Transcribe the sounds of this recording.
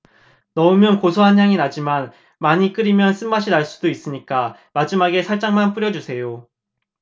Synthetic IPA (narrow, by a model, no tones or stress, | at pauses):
nʌɯmjʌnkosʰoɦanɦaŋinad͡ʑiman | maɲik͈ɯɾimjʌns͈ɯmbaɕʰinaɭs͈u̥dois͈ɯɲik͈amad͡ʑimaɡe̞sʰaɭt͡ɕ͈aŋmanp͈uɾjʌd͡ʑusʰe̞jo